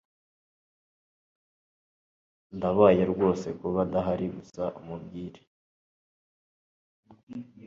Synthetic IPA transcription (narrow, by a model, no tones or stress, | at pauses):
ndaβajeɾɡwo̞ːse̞kuβadaɦaɾiɡusaʔumubɡiːɾe̥